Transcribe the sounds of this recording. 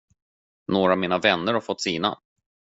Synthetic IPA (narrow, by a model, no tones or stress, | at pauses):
noːɾamiːnavɛnːəɾhaɾfɔt̪ːsiːna̰